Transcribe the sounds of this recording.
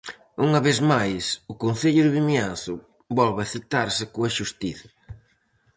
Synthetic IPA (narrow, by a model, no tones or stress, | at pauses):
uŋɐβeðmajsʊkonθeʎʊðɪβimjanθʊ | bɔlβɐθit̪aɾsɪkoɐʃust̪iθɐ̥